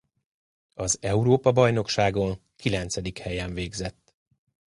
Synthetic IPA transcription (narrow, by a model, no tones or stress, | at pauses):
ɒzɛuɾoːpɒbɒjno̞kʃaːɡo̞ŋkilɛnt̪sɛd̪ikhɛjɛɱveːɡzɛt̪ː